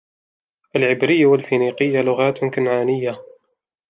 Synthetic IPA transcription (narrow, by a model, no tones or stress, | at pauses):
ʔalʕɪbɾɪjːawalfiniːqɪjːalʊɣaːt̪kanʕaːnɪjːa